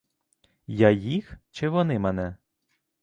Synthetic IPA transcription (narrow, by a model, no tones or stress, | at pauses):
jajixt͡ʃɪʋɔnɪmɛnɛ